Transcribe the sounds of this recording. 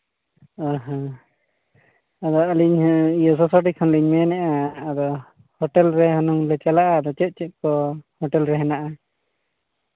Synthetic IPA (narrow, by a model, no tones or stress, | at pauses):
aɦã | ad̪ɔaliɲijɔs̬ɔsaʈikʰɔnliɲmɛnɛʔaːd̪ɔ | hɔʈɛlɾɛɦɔnuŋlɛt͡ʃɛlaʔad̪ɔt͡ʃɛt̪̚ˀt͡ʃɛt̪̚kɔhɔʈɛlɾɛɦɛnaʔa